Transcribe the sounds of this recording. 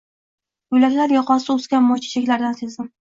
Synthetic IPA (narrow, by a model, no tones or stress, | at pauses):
ʊjlak̪ʲlaɾjɒqɒsɪʊzɡʲanmɒt͡ʃʰɪ̥t͡ʃʰakʲlaɾd̪ansezɪm